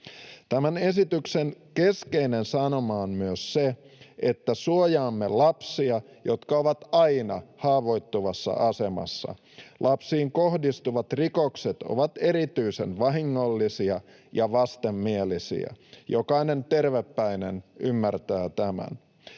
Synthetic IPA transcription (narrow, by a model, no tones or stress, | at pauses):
t̪æmæne̞sit̪yksenkeske̞inensɑno̞mɑːnmyøsːe | et̪ːæsuojɑːmːelɑpsiɑ | jo̞t̪kɑoʋɑt̪ɑjnɑhɑːʋo̞jt̪ːuʋɑsːɑ̰ʔɑse̞mɑ̰sːɑ̰ | lʔɑpsiːŋko̞hdist̪uʋɑt̪rikokset̪o̰ʋɑt̪e̞ɾit̪yisenʋɑɦiŋːolːisiɑ | jɑʋɑst̪emːielisḭæ̰jo̞kɑinent̪e̞rʋepːæinenymːært̪æːt̪æmæ̰n